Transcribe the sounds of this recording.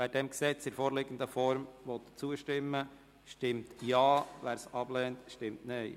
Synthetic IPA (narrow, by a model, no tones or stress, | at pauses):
ʋæːɾdɛmksɛt͡sɪɾfoːɾlɪɡən̩d̪əfɔɾmʋɔt̪t͡suəʃtɪmːə | ʃtɪmtjɑːʋæːɾsɑb̥lɛːntʃtɪmtneɪ